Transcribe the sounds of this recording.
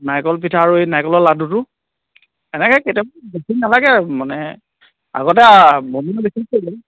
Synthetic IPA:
najkɔlpitʰaɹuenajkɔlɔladutʊ | ɛnɛkɛketiɔbbekʰiknalaɡɛmanɛ | a̰ɡɔt̬ɛboniɔbesʰikolɔɛ

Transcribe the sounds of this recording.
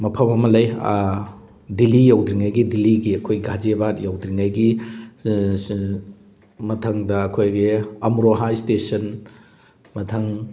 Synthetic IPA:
mɐpʰɐmɐmɐlɐj | dilijawdɾiŋajɡidiliɡiɐkʰojɡad͡ʒebatjawdɾiŋajɡi | mɐtʰɐŋdɐɐkʰojɡiɐmɾoɦajstesɐn | mɐtʰɐŋ

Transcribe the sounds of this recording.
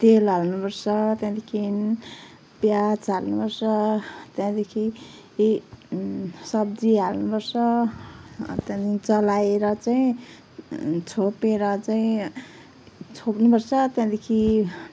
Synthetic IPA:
t̪elalnubʌrsʌt̪jãd̪ekʰin | pjat͡salnubʌrsʌt̪jãd̪ekʰi | sʌb̚d͡ziɦalnubʌrsʌ̰ | t̪jãd̪it͡sʌlajeɾʌt͡saĩ | t͡sʰopeɾʌt͡saĩ | t͡sʰopnubʌrsʰʌt̪jãd̪ekʰi

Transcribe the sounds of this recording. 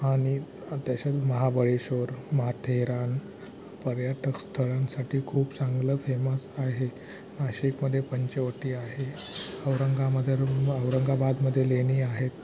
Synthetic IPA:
aɽ̃i | t̪jaɕaməɦabəɭeɕoɾməɦat̪ʰeɦɾan | pəɾjaʈʰəkst̪ʰəɭãnsaʈʰiːkʰuːpsaŋɡləːfeməsaɦe | maɕikməd̪ʱːjepəɲt͡ɕeʋəʈiːaɦeəwɾəŋɡʱaməd̪ʱəɾəʋɾəŋɡʱabad̪məd̪ʱːjeleniːaɦet̪

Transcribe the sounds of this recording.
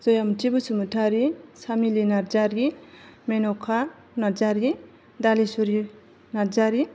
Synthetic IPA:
zojamtibusumutʰaɾisamilinaɾd͡zaɾɡimenokʰa | nad͡ʒaɾi | d̪alisuɾi | naɾd͡zaɾi

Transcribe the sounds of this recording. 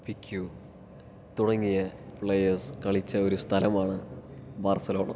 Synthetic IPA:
pikʲʰːju | t̪uɽɐŋːijɐpɭejɐrskɐɭit͡ɕːɐo̞ɾust̪ʰɐlɐmaːɳɨbaːrsɐlo̞ːɳɐ̰

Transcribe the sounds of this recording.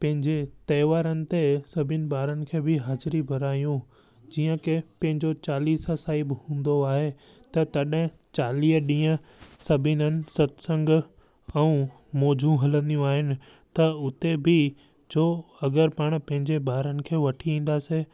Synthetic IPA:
pɐ̃ɦɪ̃ɲd͡ʑet̪ɐːʋaːɾənɪ̆t̪esɐbʱɪnɪ̆baːɾənɪ̆kʰeːbʱɪɦaːzɾibʱɐɾaːjũ | d͡ʑiːə̃kepɐ̃ɦɪ̃ɲd͡ʑot͡ɕaːliːsəsaːibɪhũːn̆d̪oaːɦe | t̪ɐt̪ɐɗɦɪ̃ | t͡ɕaːliːɦəɗĩːə̃ | sɐbʱɪnənɪ̆sɐt̪sə̃ŋɡ | ɛ̃ũ | mɔːd͡ʑʱũɦɐlə̃nd̪ijũaːɦɪnɪ̆ | t̪ɐʊt̪ebʱɪ | d͡ʑoːɐɡəɾpaːɽ̃pɐ̃ɦɪ̃ɲd͡ʑebaːɾənɪ̆kʰeːʋɐʈʰiĩːn̆d̪aːseː

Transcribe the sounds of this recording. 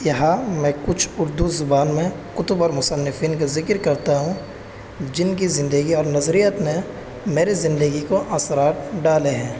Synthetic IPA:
jɐɦãmɛ̃ːkʊt͡ʃʰʊɾd̪uzʊbaːnmẽ | qʊt̪ʊbɔːɾmʊsənːɪfiːnkazɪkəɾkɐɾt̪aɦũ | d͡ʒɪnk̬izɪ̃nd̪əɡiɔːɾnɐzɾijət̪nẽ | meːɾizɪ̃nd̪əɡikoʔaːsɾaːt̪ɖaːleɦɛ̃ː

